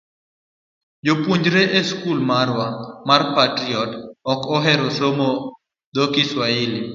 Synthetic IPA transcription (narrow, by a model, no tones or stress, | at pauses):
d͡ʒopwuɲd͡ʒɾeʔeskulmaɾwamarpatɾiɔtɔkɔɦɛɾɔsomo | d̪okiswaɪli